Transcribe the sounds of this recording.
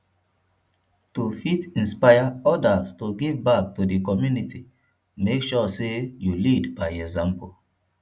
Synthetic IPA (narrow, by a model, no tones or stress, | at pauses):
tufitĩnspaɪaɔdastuɡivbak̚tudikɔmjunitʰi | mekʃɔsejulidbajɛɡzãmpol